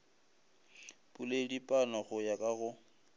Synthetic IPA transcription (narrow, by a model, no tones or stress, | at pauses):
pʼuledipʼanɔɣʊjakʼaɣʊ